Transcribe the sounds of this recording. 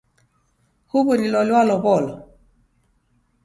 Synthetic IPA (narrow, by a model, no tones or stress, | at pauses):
huβuɾilɔlwalɔbɔːlɔ